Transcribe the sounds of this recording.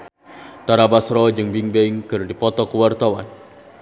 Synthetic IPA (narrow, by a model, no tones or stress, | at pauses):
t̪aɾabasɾɔd͡ʒɨŋbiŋbɛiŋkɨrdipɔt̪ɔkəwart̪awan